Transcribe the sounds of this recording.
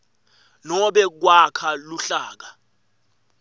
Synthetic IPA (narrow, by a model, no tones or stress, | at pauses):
nɔɓɛk̬wakʰaluɬaːk̬a